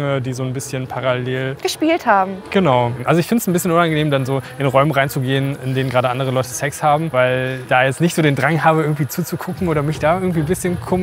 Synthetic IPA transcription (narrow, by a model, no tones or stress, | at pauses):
ŋədiːzoːnbɪsçənpʰaʁaleːlɡ̥əʃpiːlthaːbm̩ɡ̥ənaʊʔalzoɪçfɪndtəsn̩bɪsçənʊnanɡəneːmdanzoːʔɪnʁɔʏmənʁaɪnt͡suɡeːənɪndeːnənɡʁaːdəʔandəʁəlɔʏtə̥sɛkshaːbm̩vaɪld̥aːjɛt͡stnɪçtz̥oːdeːndʁaŋɦaːbəɪɡŋ̩tv̥iːt͡suːt͡sukʰʊkŋ̩ʔoːɾɐmɪçd̥aːɪɐɡŋ̩tv̥iːnbɪsçənkʰom